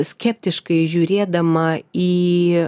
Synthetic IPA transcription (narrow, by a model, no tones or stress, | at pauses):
sʲkʲɛpʲt̪ʲɪʃkɐɪʒʲuːɾʲeːd̪ɐmɐiː